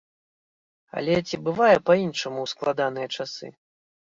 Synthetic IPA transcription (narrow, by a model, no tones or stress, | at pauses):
ɐ̰lʲɛt͡sʲibɨvajɛpɐinʂɐmuwsklˠad̪an̪ɨjɐt͡ʂasɨ̰